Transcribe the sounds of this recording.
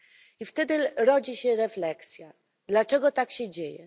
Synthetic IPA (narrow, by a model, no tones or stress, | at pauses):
ift̪ɛd̪ɘɾɔd͡ʑiɕɛɾɛflɛksʲja | d̪lat͡ʂɛɡɔt̪akɕɛd͡ʑejɛ̰